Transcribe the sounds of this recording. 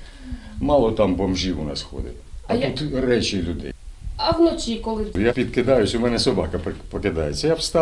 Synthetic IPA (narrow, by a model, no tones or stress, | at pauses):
mɑlˠɔt̪ɑmbɔmʒiwʊ̰nɑ̰sxɔ̰d̪ɪ̰t̪ɐt̪ut̪rɛt͡ʃɪlʲʊd̪ɛ̰jɐwnɔt͡sʲikɔlˠɪjapʲid̪kɪd̪ɑjʊsʲʊmɛnɛsɔbɑkɐppɔkɪd̪ɑjet͡sʲːɐjawst̪ɑ